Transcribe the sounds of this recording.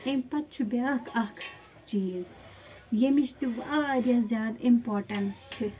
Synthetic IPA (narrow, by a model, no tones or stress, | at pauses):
ẽmpɐt̪̚t͡ʃʰubʲjaːkʰɐkʰ | t͡ʃiːz | jemiʃt̪iʋɐaːɾjazʲjaːd̪impoːɾʈɐnst͡ʃʰi